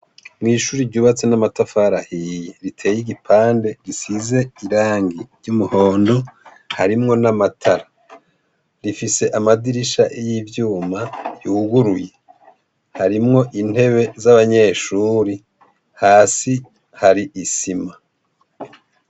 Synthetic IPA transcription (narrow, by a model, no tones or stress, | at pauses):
mŋiːʃuːɾiɾɟuːβat͡se̞namatafaɾahijeɾitʰe̞ːjiɡipʰaːnde̞ɡisize̞iɾaːŋɡiɾɟumuho̞ːndo̞ | haɾimŋo̞namatʰaɾa | ɾifise̞ʔamadiɾiʃaʔejivjuːmajuːɡuɾuje | haɾimŋo̞ʔin̥e̞βe̞zaβaɲe̞ːʃuːɾi | haːsi | haɾiʔisima